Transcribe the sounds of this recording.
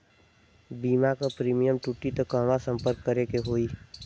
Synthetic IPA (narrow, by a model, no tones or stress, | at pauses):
biːmakapɾiːmijəmʈuʈit̪okəmasə̃mpəɾkːəɾekeɦoːi